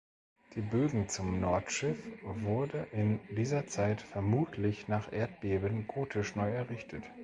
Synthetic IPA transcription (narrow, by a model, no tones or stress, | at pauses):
d̥iːbøːɡŋ̩t͡sʊmnɔɐtʃɪfvʊɐdəʔɪndiːzɐt͡saɪtfɛɐmuːtʰlɪçnaːχʔeːɐt̚b̥eːbənɡoːtʰɪʃnɔʏɛɐʁɪçtʰət